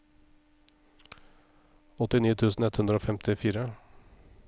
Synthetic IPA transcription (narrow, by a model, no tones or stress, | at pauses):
ɔt̪ɪniːt̪ʰʉːsn̩ɛt̪hʉnd̪ɾoːfɛmt̪ɪfiːɾə